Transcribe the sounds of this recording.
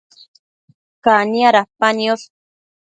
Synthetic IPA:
kanjaɾapanjos

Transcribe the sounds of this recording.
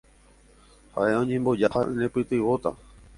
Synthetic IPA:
ha̰ʔe̞õɲẽmbo̞d͡ʒahaʔnẽpɨt̪ɨʋot̪a̰

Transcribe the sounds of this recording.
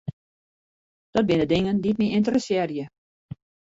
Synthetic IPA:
d̥ɔt̚bɪndədɪŋənditmiɪntərəsjɛːrjə

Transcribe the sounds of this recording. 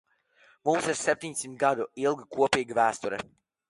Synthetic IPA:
mumsiɾsɛp̚t̪ʲiɲʲsimt̪̚ɡad̪uilˠɡakuɔpiːɡivæːst̪uɾɛ̰

